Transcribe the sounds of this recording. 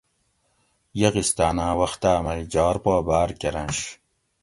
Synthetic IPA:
jɐɣist̪aːnaːwɐxt̪aːmɐjd͡ʑaːɾpoːbaːɾkʲeɾɐnɕ

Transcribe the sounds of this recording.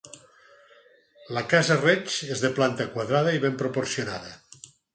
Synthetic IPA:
lakazaret͡ʃezðeplant̪akwaðɾaðɐiβempɾopoɾsjonaðɐ

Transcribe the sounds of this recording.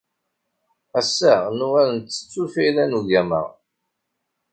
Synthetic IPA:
æsːænuʁæɾənt̪ːə̥t͡sːufilænuʝæmæ̰

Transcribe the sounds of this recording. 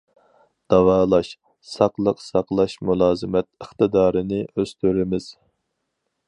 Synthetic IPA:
d̪̥ɑwɑːlˠɑʃ | sɑqlˠəqsɑqlˠɑʃmulˠɑːzɨmɛt̪̚əχt̪ɨd̪ɑːɾɨnɪøz̥t̪ʰyɾɪmɪz̥

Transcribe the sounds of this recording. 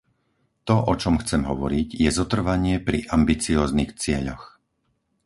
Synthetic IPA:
t̪ɔʔɔt͡ʃɔmxt͡sɛmɦɔʋɔ̰ɾiɟjɛzɔt̪r̩ʋaɲɪɛpɾiʔambit͡siɔːznixt͡sɪɛʎɔ̰x

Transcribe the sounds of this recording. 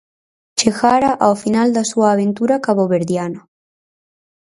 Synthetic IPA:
t͡ʃeɣaɾaʔawfinald̪asuaːβent̪uɾakaβoβeɾðjano

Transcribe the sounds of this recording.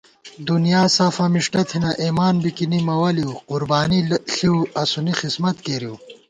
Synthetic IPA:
d̪unjaːsafamiʂʈɐt̪ʰinɐʔimaːnbikinimɐwɐliwqʊɾbaːniɬiwɐsunixismɐt̪keɾiw

